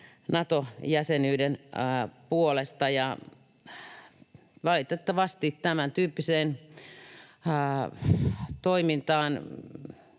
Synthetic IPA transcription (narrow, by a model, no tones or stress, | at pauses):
nɑt̪ojæsenyːdenpuolest̪ɑjɑ | ʋɑlit̪et̪ːɑʋɑst̪iːt̪t̪æmænt̪yːpːiseːn | t̪oimint̪ɑːn